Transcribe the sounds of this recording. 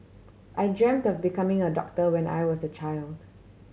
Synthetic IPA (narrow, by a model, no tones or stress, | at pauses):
ʔajd͡ʒɛ̃mtɔfbikʰãmɪ̃ŋədɔ̰k̚təwɛ̃na̰jwɔsət͡ʃaɪld̥